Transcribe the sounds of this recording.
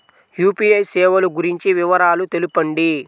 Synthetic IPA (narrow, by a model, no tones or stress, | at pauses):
juːpijɐjsɛːʋɐluɡuɾiɲt͡ʃiʋiʋɐɾaːlut̪elupɐɳɖi